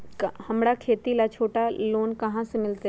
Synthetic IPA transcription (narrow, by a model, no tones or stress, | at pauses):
khɐmɽakʰeːt̪ilat͡ʃʰoːʈaloːnkɐɦãsemɪlt̪e